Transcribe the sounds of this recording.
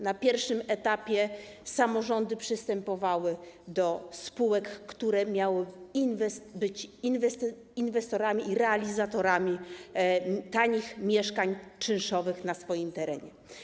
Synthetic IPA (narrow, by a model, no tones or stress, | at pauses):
napʲjɛɾfʂɘmɛt̪apʲjɛ | samɔʐɔnd̪ɘpʂɘst̪ɛmpɔvawɘd̪ɔspuwɛkːt̪uɾɛmʲjawɘinvɛsbɘt͡ɕinvɛst̪ | invɛst̪ɔɾamʲiiɾɛalʲizat̪ɔɾamʲi | t̪aɲixmʲjɛʂkaɲt͡ʂɘnʂɔvɘxnasfɔjimt̪ɛɾɛɲɛ̰